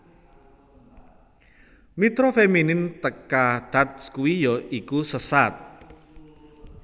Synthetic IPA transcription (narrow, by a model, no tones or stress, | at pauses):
mit̪ɾofeminɪnt̪əkaɖ̥at̪̚skuwijɔikusəsat̪̚